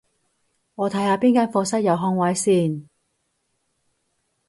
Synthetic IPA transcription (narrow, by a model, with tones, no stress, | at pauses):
ŋɔː˨˧t̪ʰɐ˨˥jhaː˧piː˥nkaː˥nfɔː˧sɐ˥t̚jɐ˨˧wɦɔː˧ŋwɐː˨˥jsiː˥˩n